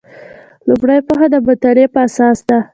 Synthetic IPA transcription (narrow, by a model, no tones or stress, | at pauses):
lʊmɽajpoxad̪əbat̪aɾepəasɑsd̪a